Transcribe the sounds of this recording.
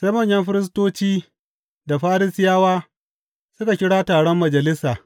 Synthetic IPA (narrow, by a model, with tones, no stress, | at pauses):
sa˦mɐ˦˨ɲjɐ˦mɸɪ˦ɾɪ˦s̬toː˦t͡ʃiː˦ | da˨ɸaː˦ɾɪ˦sɪ˦jaː˦waː˦ | sʊ˦ka˨kʲɪ˦ɽaː˦taː˨ɽɔ˦mːɐ˨d͡ʒɐ˨lɪ˦saː˨